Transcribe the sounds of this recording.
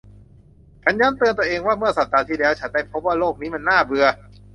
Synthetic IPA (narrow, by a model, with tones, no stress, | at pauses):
kʰa˧˦˥njaː˦˥nt̪ɯː˧ənt̪u˧əʔeː˧ŋwaː˥˩mɯ˥˩ɐsa˨˩p̚d̪aː˧t̪ʰiː˥˩lɛː˦˥wt͡ɕʰa˦˥ndaː˥˩jpʰo˦˥p̚waː˥˩loː˥˩k̚niː˦˥ma˧nːaː˥˩bɯ˧ɐ